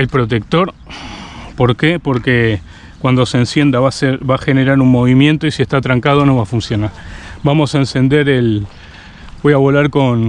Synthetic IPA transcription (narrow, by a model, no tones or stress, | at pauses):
elpɾo̞t̪̬e̞k̚t̪o̞ɾ | po̞ɾkepo̞ɾke | kwand̪o̞sensje̞nd̪aβaseɾβaxe̞ne̞ɾaɾunmo̞βimjẽ̞nt̪oisie̞ht̪at̪ɾaŋkað̞o̞no̞βafunsjo̞naɾbamo̞saense̞nd̪e̞ɾel | bo̞jaβo̞laɾko̞n